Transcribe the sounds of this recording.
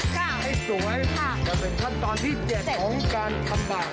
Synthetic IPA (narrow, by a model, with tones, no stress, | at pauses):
aː˧˥˩ha˥˩jsu˨˦ŋha˥˩jʰa˧˩t͡ɕɔː˧˩pe˧nt̪ʰa˦˥˩n̚t̪ɔː˧nt̪ʰiː˥˩t͡ɕɛ˨˩t̚ʰɔː˨˦ŋkaː˧nt̪ʰa˧mɗaː˨˩